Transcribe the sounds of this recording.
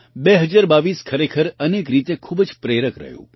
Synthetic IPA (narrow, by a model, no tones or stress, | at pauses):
beɦəd͡ʒaɾbaʋiːskʰəɾekʰəɾənek̬ɾit̪ekʰubd͡ʒpɾeɾəkɾə̰ɦjṵ̃